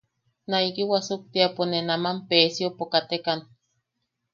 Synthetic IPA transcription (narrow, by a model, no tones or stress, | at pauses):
naikiwasuk̚t̪iaponenamampeːsjopokat̪ekan